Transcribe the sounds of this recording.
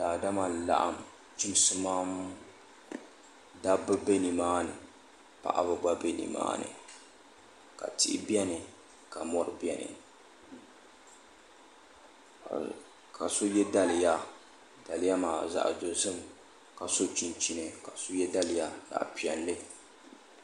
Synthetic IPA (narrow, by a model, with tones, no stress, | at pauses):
daː˨da˦ma˨n˨la̰˨ʔa̰˨m | t͡ʃi˦m˦sɨ˦maː˦m˦ | da˦bɨ˦be˦ni˨maː˦nɨ˨ | pa̰˨ʔa̰˦βɨ˦ɡ͡ba˦be˦nḭ˨ma̰ː˦nɨ̰˨ | ka̰˨tɪ˦˨ɪ˦bi˦ɛ˦nɨ˨ | ka˨mɔ˦ɾɨ˨bi˦ɛ˦nɨ̰˨ | ka˨so˦jɛ˦da˦lɨ˨ja˦ | da˨lɪ˦ja˦maː˨za̰˦ʔzo˨zɨ˦m | ka˨so˦t͡ʃi˨nt͡ʃi˦nɨ˨ka˨so˦jɛ˦da˦lɨ˨ja˦da̰˨ʔpi˨ɛ˨nlɨ˦